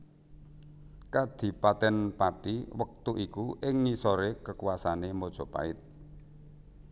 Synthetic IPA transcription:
kad̪̥i̤pat̪ɛnpaʈiwək̚t̪uʔikuʔɪŋːisoɾekəkuwasanemɔd̥ʒ̥ɔ̤pa̰ɪt̪̚

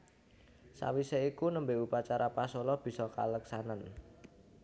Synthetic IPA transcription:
sa̰wiseikunəmbeupat͡ʃaɾʔapasɔlɔb̥i̤sɔka̰ləksanan

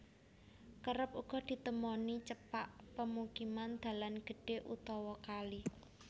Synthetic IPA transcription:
kəɾəp̚uɡ̥ɔ̤d̪̥i̤t̪əmɔnit͡ʃəpaʔpəmukimand̪̥ä̤lanɡ̥ə̤ɖ̥e̤ʔṵt̪ɔwɔkali

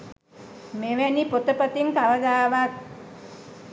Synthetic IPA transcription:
meʋænipot̪əpət̪iŋk̪aʋəd̪aːʋat̪̚

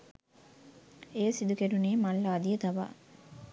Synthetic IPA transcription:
eːsid̪ukeɖuneːmɐlːaːd̪ijət̪ɐʋa̰ː

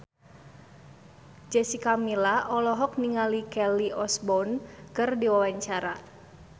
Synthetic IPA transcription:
d͡ʒɛsikamilaʔɔlɔɦɔk̚niŋalikɛliʔɔsbɔnkɨrdiwawaɲt͡ʃaɾa

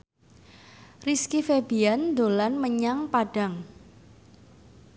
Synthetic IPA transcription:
riskifebiand̪olanməɲaŋpaɖ̥a̤ŋ

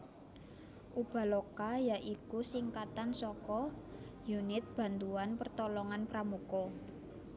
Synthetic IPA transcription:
ʔub̥a̤lɔkajaʔikusiŋkat̪ansɔkɔjunɪt̪̚b̥ä̤nt̪uanpərt̪ɔlɔŋanpɾamukɔ

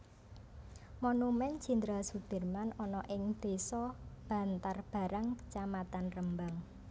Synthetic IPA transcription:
monumɛnd͡ʒ̥i̤nd̪ɾasud̪̥ə̤rmanɔnɔʔɪŋd̪̥e̤sɔb̥ä̤nt̪arb̥a̤ɾaŋkə̥t͡ʃamat̪anrəmbaŋ

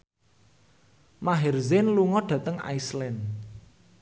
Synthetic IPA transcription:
maɦɛrzɪnluŋɔɖ̥ä̤t̪əŋa̰islɛn

